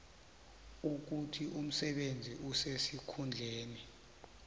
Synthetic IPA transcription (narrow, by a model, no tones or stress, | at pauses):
uk̬utʰiʔum̩sɛɓend͡zʱiʔusesikʰund͡ɮʱeːni